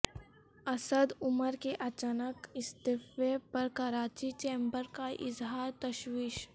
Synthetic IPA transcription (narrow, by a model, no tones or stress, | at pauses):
ɐsəd̪ʊməɾkeʔɐt͡ʃaːnəkɪst̪ɪfepɐɾkaɾaːt͡ʃit͡ʃẽːmbəɾkaʔɪ̰zɦaːɾt̪ɐʃwiːʃ